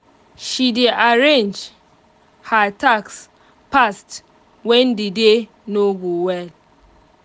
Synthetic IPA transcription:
ʃideʔaɾend͡ʒ | hataks | past | wɛndide | noɡuwɛl

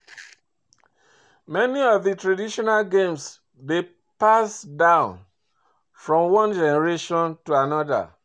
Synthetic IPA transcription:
mɛniɔvðitɹadiʃɔnalɡẽms | de | pasdãʊ̃n | fɹɔ̃mwɔ̃nd͡ʒɛnɛɹeʃɔ̃ntuanɔða̰

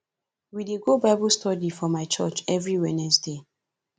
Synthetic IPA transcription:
wideɡobaɪbulstʰɔdifɔmaɪt͡ʃɔt͡ʃɛvɹiwɛnɛsde

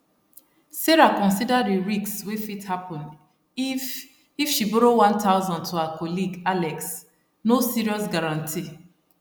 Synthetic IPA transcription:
seɹakɔ̃nsidadiɹikswefithapɔ̃n | ifʃiboɾowãntʰaʊzɔ̃ntʰuhakʰɔliɡalɛks | nosiɹiɔsɡaɹãntʰi

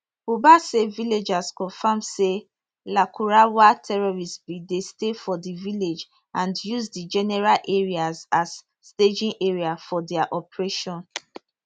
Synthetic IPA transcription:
ubaseviled͡ʒaskɔ̃nfamse | lakʰuɹawatʰɛɹɔɹisbidestefɔdiviled͡ʒ | ãndjuzdid͡ʒɛnɛɹalʔeɹiazazː | ted͡ʒĩnʔeɹiafɔdɛaʔɔpɹeʃɔ̃n

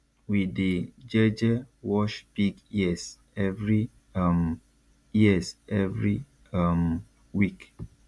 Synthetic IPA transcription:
wided͡ʒɛd͡ʒɛwɔʃb̥iɡjis | ɛvɹi | m | jiɛsɛvɹi | m | wik

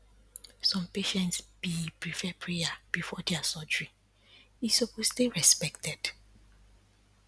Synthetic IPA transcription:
sɔ̃mpeʃɛ̃ntsb̥ipɹifɛpʰɹejab̥ifɔdɛasɔd͡ʒɹi | isoposteɹɛspɛktɛd̥

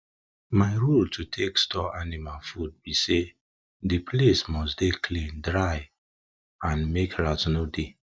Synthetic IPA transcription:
maɪɹultʰutʰekstɔanimalfud̚bise | dipʰlesmɔsdekʰlĩndɹaɪ | ãnmekɹatnode

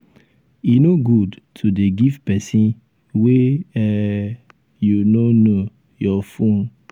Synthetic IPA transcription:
inoɡudtʰudeɡivpɛsĩn | weɛ | junono | jɔfõn

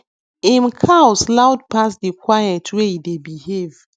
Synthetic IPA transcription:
ĩmkʰaʊslaʊdpasdikwajɛtʰwehidebihev̥

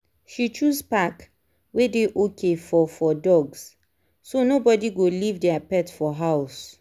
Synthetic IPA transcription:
ʃit͡ʃuspak | wedeʔokʰefɔfɔdɔɡs | sonobɔdiɡolivdɛapɛtfɔɦaʊs

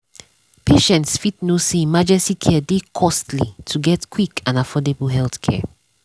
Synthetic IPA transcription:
pʰeʃɛ̃ntsfitnoseimad͡ʒɛstikʰɛədekʰɔstlitʰuɡɛtkʰwikãnafɔdebəl̩ɦɛlθkʰɛ̰

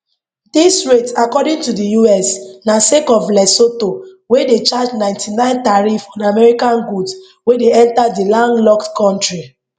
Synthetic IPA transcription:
disɹetakɔdĩŋtudijuɛsnasekɔflɛsoto | wedet͡ʃad͡ʒnãɪ̃ntʰinãɪ̃ntaɹifɔ̃damɛɹikãnɡuds | wedeɛ̃ntadilɔ̃ŋlɔktkɔ̃ntɹi

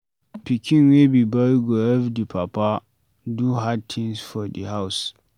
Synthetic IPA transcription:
pikʰʲɪnwebibɐɾɡoɛvdipʰapa | duɦad̚t̪ʰɪŋsfɔdiɦaws

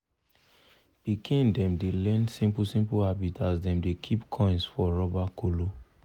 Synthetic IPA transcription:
b̥ikʰĩndɛ̃mdelɛ̃nsĩmpusĩmpuhabitʰasdɛ̃mdekʰipkʰɔ̃ɪ̃nsfɔɹɔbakʰolo

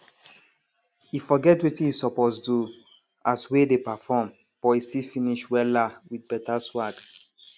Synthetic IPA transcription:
ifɔɡɛtwetĩisɔpɔtsdu | aswedepafɔm | b̥ɔistilfĩniʃwɛlawid̚bɛtaswat

